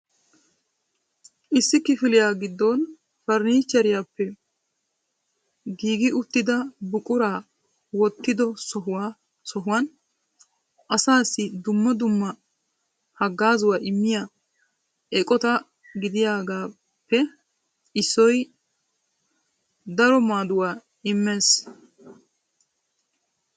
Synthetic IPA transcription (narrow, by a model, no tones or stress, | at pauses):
ʔɪsːɪkɪfɪlɪjaːɡɪd̪ːɔn | fɐɾniːt͡ʃːɐɾɪjaːpːɛ | ɡiːɡɪʔʊt̪ːɪd̪ɐbʊkʼʊɾaː | wɔt̪ːɪd̪ɔsɔɦʊwaː | sɔɦʊwɐn | ʔɐsaːsːɪd̪ʊmːɐd̪ʊmːɐ | hɐɡːaːzʊwaːʔɪmːɪja | ʔɛkʼɔt̪ɐ | ɡɪd̪ɪjaːɡaː | pːɛ | ɪsːɔj | d̪ɐɾɔmaːd̪ʊwaː | ɪmːeːs